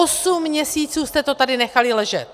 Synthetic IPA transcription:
osumːɲɛsiːt͡suːst̪ɛt̪o̞t̪adɪnɛxalɪlɛʒɛt̪

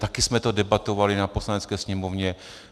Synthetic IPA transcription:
t̪akɪsmɛt̪odɛbat̪o̞valɪnapo̞slanɛt͡skɛːsɲɛmovɲɛ

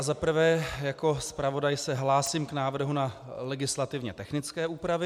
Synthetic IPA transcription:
azapr̩vɛːjako̞spɾavo̞dajsɛɦlaːsiːmknaːvr̩ɦunalɛɡɪslat̪ɪvɲɛt̪ɛxnɪt͡skɛːʔuːpɾavɪ

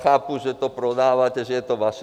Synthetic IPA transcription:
xaːpuʒɛt̪ɔpɾɔd̪aːʋacɛʒɛjɛt̪ɔʋaʃ

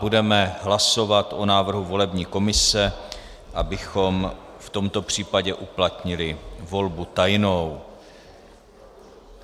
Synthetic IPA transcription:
budɛmɛɦlaso̞vat̪ʔo̞naːvr̩ɦuvo̞lɛbɲiːko̞mɪsɛ | ʔabɪxom | ft̪o̞mt̪o̞pr̝̥iːpaɟɛʔuplat̪ɲɪlɪvo̞lbut̪ajnow

